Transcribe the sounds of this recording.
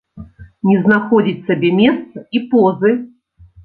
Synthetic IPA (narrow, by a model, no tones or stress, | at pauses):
nʲɛznaxɔd͡zʲit͡sʲsabʲɛmʲɛst̪sɐipɔzɨ